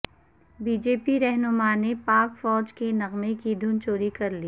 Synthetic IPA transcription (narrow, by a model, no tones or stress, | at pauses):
biːd͡ʒeːpiɾɛɦnʊmanepaːkfɔːd͡ʒkenɐɣmekid̪ʱʊnt͡ʃoːɾikɐɾliː